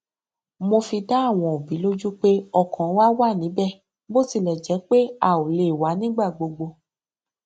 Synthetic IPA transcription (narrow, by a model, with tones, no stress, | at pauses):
mo˧fi˧da˦a˦˨w̃ɔ̃˨o˨bi˨˦lo˦d͡ʒu˦k͡pe˦ɔ˧kɔ̃˨˦wa˦wa˦˨nĩ˨˦bɛ˦˨ | bo˦˨ti˧˨lɛ˨d͡ʒɛ˨˦k͡pe˦a˦˨o˨le˨wa˨˦nĩ˦ɡ͡ba˦˨ɡ͡bo˧ɡ͡bo˧